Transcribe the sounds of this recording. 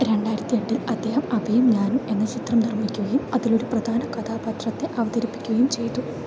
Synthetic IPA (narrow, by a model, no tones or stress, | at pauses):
ɾe̞ɳɖaːjɾɐt̪ːijɐɳɖilɐd̪ːe̞ːhɐmɐbʱɐjumɲaːnume̞nːɐt͡ɕit̪rɐmnirmikʲːuɣɐjumɐðilo̞ɾuprɐd̪ʱaːnɐkɐt̪ʰaːbɐt̪rɐt̪ːe̞ʔɐʋɐd̪ɐɾipːi̥kʲːuɣɐjumt͡ɕe̞jt̪ːu